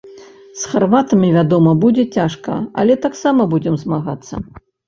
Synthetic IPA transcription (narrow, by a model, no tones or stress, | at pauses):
sxarvat̪ɐmʲivʲad̪ɔmɐbud͡zʲɛt͡sʲaʂkɐ̰ɐ̰lʲɛt̪aksamɐbud͡zʲɛmzmaɣat̪sːɐ̰